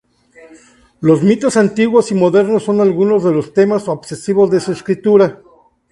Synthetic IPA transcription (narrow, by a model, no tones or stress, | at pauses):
lo̞zmit̪o̞sant̪iɣwo̞simo̞ðe̞ɾnosːo̞nalɣuno̞zðe̞lo̞st̪e̞maso̞kse̞siβo̞zðesueskɾit̪uɾa